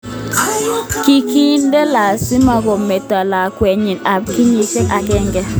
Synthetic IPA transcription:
ki˨ki˦ndɛ˦la˨sɪ˦ma˨ɡo˨me˨ta˨la˨kwɛ˨ɲɪ˨na˨p̚ki˦ɲe˨t͡ʃe˦ka˨kɛ˦ŋɡɛ˦

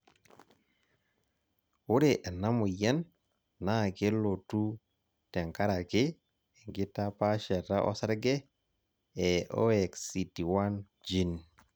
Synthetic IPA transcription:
wu˦ɾe˨ʔe˨na˦mu˨ja˦n | na˦˨ke˦lo˨tu˦ | tɛ˨ŋka˦ɾa˨ke˦˨ | ŋɡi˦ta˦pa˦ʃɛ˨ɾa˦ʔɔ̰˦sa˦ɾɡe˦ | ɛ˨ʔo̰˦ɛ˨ksi˨ti˨wa˦n | d͡ʒi˦n

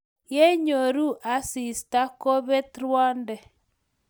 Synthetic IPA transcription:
je˦ɲo˨ɾu˦ʔa˨si˨sta˦ko˦βe˦tɾwɔ˦ndɛ˨

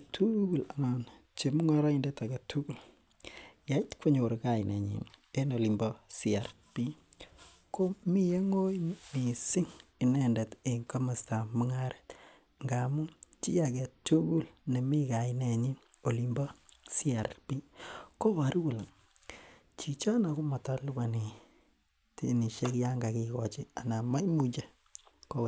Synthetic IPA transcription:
tʰu˦ɡu˨la˨ma˨n | t͡ʃe˨mu˦ŋa˦ɾa˦i˨nde˦ta˨ɡɛ˨tu˦ɡu˨l | ja˨i˦tkwo˦ɲo˨ɾka˨jɪnɛ̰˨ɲḭ˨e˦no˨li˨mbɔ˦si˦a˨ɾ | pi˦ | ko˦mi˦je˦ŋo˦mi˨sɪ˦ŋi˨nɛ˨ndɛ˨te˨ŋka˦ma˨sta˨mɔ˦ŋa˦ɾe̥˨t | ŋɡa˨mu˦t͡ʃi˦ja˨kɛ˨to˦ɡu˦lne˨mi˦ka˨i˦nɛ˨ɲi˦ | o˨li˨mbɔ˦si˦a˨ɾpi˦ko˦βa˨ɾu˦ɡu˨la˨ | t͡ʃi˨t͡ʃa˦na˨ku˦ma˨ta˦lu˦ba˨ni˨ | ti˦ni˨ʃe˦kja˦ŋɡa˨ki˨kɔ˨t͡ʃi˦a˨na˨ma˦jmu˦t͡ʃe˦ | ko˦

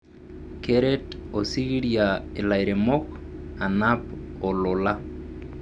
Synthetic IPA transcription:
kɛɾɛto˨si˦ɣi˦ɾjae˨la˨iɾe˨mɔ˦ka˨napɔ˨lʊ˨la˦

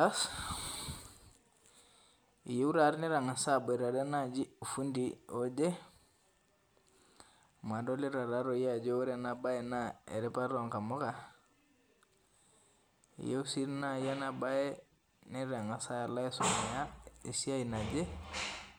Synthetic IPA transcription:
a˦s | ḭ˨je˦u˦ɾa˨ɾni˦ɾa˨ŋa˨sa˦be˨ɾa˨de˦na˦d͡ʒi˦u˨fu˦ndio˦d͡ʒe˦ | ma˨do˦li˦ɾa˨ɾa˦ɾo˨ja˦d͡ʒo˦o˦ɾe˨na˨ba˦je˨na˦ḛ˨ɾɛ˦pa˦ɾo˨ŋka˨mo˦ka˦ | ḭ˨je˦u˦si˦ɾna˦˨ja˦na˨ba˦je˦ | ni˦ɾa˨ŋa˨sa˦a˨la˦ɛ˦so˨ma˨ja˦i˨si˦a˦ina˨d͡ʒe˦

